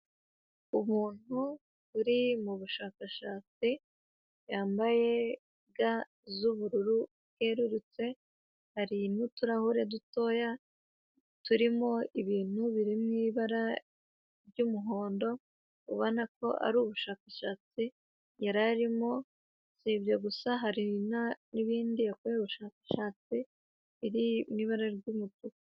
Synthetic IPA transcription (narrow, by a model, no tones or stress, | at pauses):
umuːn̥hu | βuɾimuβuʃaːkaʃaːt͡si | jaːmbaje̞ | ɡa | zuβuɾuɾu | heɾuɾut͡se̞ | haɾinutuɾahuɾe̞duto̞ja | tuɾimo̞iβiːn̥huβiɾimŋiːβaɾa | ɾɟumuɦo̞ːndo̞ | uβonako̞̰ʔa̰ɾuːβuʃaːkaʃaːt͡si | jaɾaɾimo̞ | sibɟaɡusaɦaɾinaniβiːndijakueuβuʃaːkḁʃaːt͡si | iɾimŋiːβaɾaɾɟumutu